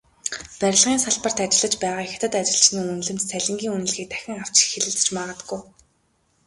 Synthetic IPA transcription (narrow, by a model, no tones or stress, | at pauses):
pæɾʲɪ̆ɮʁiːnsaɮpə̆r̥t̪at͡ɕɪ̆ɮə̆t͡ɕpæːʁaːixʲt̪ʰə̆t̪at͡ɕɪ̆ɮt͡ɕniːunɮɘ̆m̥t̪t͡sʰæɮʲɪ̆ŋɡʲiːŋunɘ̆ɮɣiːk̚t̪ʰæ̥xʲɪ̆ŋaw̥t͡ɕxeɮɘ̆ɮ̆t͡ɕmaʁə̆t̪̆ɡuj